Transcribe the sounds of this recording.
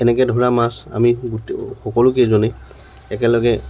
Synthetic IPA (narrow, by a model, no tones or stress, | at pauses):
ɛnɛkɛdʱɔɹamasa̰miɡutxɔkɔlʊk̬ezɔnɛ | ɛkɛlɔɡɛ